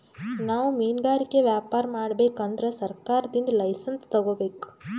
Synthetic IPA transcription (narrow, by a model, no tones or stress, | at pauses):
naːʋumiːnɡaːɾikːeʋjaːpaːɾmaːɽbe̞ːkɐnd̪ɾesɐɾkaːɾɐd̪ind̪ɐlɐjsɐnst̪ɐɡo̞ːbeːku̥